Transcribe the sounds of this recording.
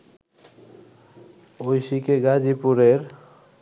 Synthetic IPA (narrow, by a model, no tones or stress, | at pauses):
ojʃikeɡad͡ʑipuɾeɾ